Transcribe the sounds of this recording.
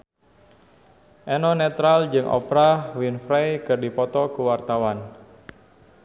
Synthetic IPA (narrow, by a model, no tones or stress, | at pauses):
ʔɛnɔnɛt̪ɾald͡ʒɨŋʔɔ̰pɾawinfɾajkɨrdipɔt̪ɔkuwart̪awan